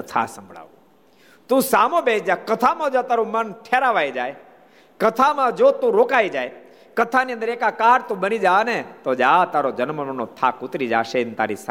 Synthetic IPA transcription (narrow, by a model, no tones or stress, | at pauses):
ət̪ʰa̰sə̃mbʱɭa̰ʋu | t̪ũsamõbed͡ʒakət̪ʰamãd͡ʒot̪aɾũmənʈʰeɾaʋajd͡ʒaːj | kət̪ʰamãd͡ʒot̪ũɾoːkaid͡ʒaj | kət̪ʰaniə̃nd̪əɾekakaɾt̪ũbənid͡ʒanet̪od͡ʒat̪aɾod͡ʒənməmənot̪ʰakut̪ɾid͡ʒa̰ːʃent̪a̰ɾis